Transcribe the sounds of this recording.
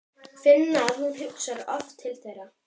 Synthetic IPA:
fɪnːaːðhuðɦʏksaɾɔft̪ʰːɪlθɛrːa

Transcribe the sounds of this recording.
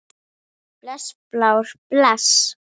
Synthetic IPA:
plasplawɾplas

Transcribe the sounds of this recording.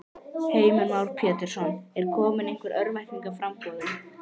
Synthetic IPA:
heːjmʏmawɾ̥pʰjɛːt̪ɪɾ̥sɔnɛɾ̥kʰɔːmɪneŋkvɪɾʔœɾmɛjhkiŋkafɾampɔʏ

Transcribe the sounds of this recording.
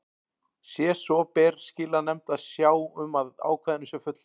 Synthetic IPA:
sjɛsɔpɛrscɪːlanɛmt̪aðsjaːwʏmaða̰ːwkʰaðɪnʏsjɛɾfʏt̪l

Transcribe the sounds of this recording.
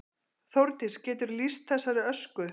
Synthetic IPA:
θowɾt̪ɪscɛːt̪ʏɾlist̪̚θɛsːaɾɪœskʏ

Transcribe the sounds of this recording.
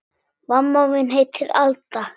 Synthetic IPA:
vamːawmɪnɦejt̪ʰːɪla̰lt̪a

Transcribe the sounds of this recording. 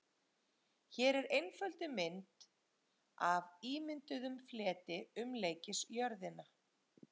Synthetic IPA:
çɛːɾɛɾejnfœlt̪ɪmɪnt̪ | aviːmɪnt̪ʏðʏmflɛːt̪ɪʏmleːjcɪsjœɾðɪna

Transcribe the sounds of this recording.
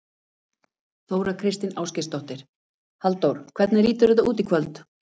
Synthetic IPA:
θoːwɾakʰɾɪst̪ɪnaːwscɪst̪ɔht̪ɪɾ̥ | halt̪owɾ̥kʰv̥ɛt̪nɪriːt̪ʏɾɛt̪̬auːt̪ikʰvœlt̪

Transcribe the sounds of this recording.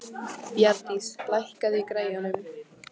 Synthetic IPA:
pjaɾt̪islajhkaðɪikɾeːjanʏm

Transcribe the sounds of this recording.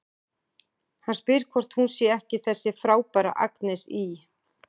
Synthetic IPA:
hanspɪɾ̥kʰvɔr̥t̪hunsjɛɛhcɪθɛsːɪfɾaːwpaɾa̰ʔa̰knɛsi

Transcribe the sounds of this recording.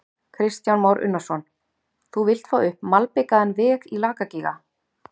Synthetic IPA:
kʰɾɪst̪janmawɾʔʏ̰nːasɔn | θuvɪl̥t̪faʏhpmalpɪkaðɛnvɪːɣilaːkaciɣa̰

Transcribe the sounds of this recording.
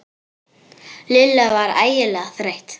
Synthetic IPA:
lɪlavaɾa̰ːjɪlɛːɣaθɾejht̪

